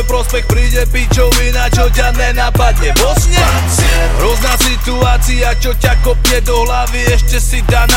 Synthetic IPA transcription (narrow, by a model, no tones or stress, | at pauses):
jpɾɔspɛxpɾiːɟɛpiːt͡ʃɔʊminat͡ʃɔcad̪nɛːnaːpad̪ɲɛɔsɲant͡si | ɾɔznaːsit̪uaːt͡siat͡ʃɔcakɔpɛd̪ɔɦlaʋiɛʃcɛsid̪an